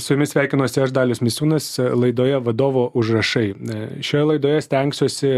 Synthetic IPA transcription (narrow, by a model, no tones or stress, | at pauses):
sʊjʊmʲɪsʲʋʲæˑɪkʲɪnoːsʲɪɐʒd̪ɑːlʲʊsmʲɪsʲuːnɐslˠɐɪd̪oːjɛʋɐd̪oːʋoːʔʊʒrɐʃɐɪʃʲoːjɛlˠɐɪd̪oːjɛsʲt̪ʲɛŋksʲoːsʲɪ